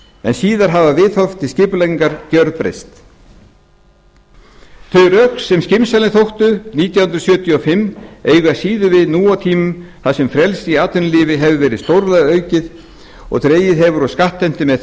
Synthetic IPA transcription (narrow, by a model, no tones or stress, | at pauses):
ɛ̰nsiːðaɾ̥ɦavavɪðθɔft̪ːɪscɪpleŋkaɾcœɾðpɾḛjst̪ | θœɥɾœksːɛmscɪmsalɪnθowht̪ʏniːt̪jahʏnɾasjœːt̪ʰjiɔfɪmːejɣʏasiːðʏvɪðnuːat̪ʰiːmʏmθaðsɛmfɾjɛlsiaːt̪ʏnlɪːvɪɦɛvʏvɛːɾɪðst̪owɾlaðœɥcɪð | ɔ̰ɣt̪ɾeːjɪðɦɛvʏɾɔskaht̪ːɛm̥t̪ɪmɛð